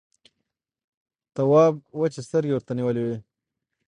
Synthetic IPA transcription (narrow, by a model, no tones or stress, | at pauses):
t̪awɑb̚wat͡ʃest̪əɾɡewəɾt̪aniwəlewe